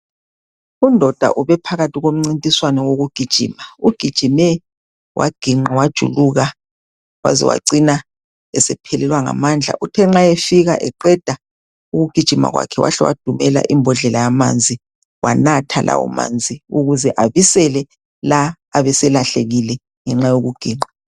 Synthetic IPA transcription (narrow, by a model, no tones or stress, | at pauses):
undʱɔd̥ʱa̰ʔuβɛpʰaɣatʰiɣom̩ŋ͡ǀintʼiswanɔwoɣuɡ̥ʱid̥ʒ̥ʱḭːmauɡ̥ʱid̥ʒ̥ʱimɛ | wʔa̰ɡ̥ʱiŋ͡ǃawad̥ʒ̥ʱṵluɣa | wa̰zɛ̰wa̰ǀina | ɛsɛpʰɛlɛlwaŋa̰mand͡ɮʱa̰ʔutʰɛŋ͡ǁajefiɣaʔɛǃɛd̥ʱa | uɣuɡ̥ʱid̥ʒ̥ʱima̰ɣwa̰kʰɛwa̰ɬɛwa̰d̥ʱumɛla̰ʔimbʱɔɮɛlajama̰nd͡zʱi | wa̰natʰalʔa̰wɔ̰ma̰nd͡zʱiuɣuzɛʔaβisɛlɛ | la | aβɛsɛlaɬeɣilɛ | ŋɛŋ͡ǁajoɣuɡ̥ʱiːŋ͡ǃa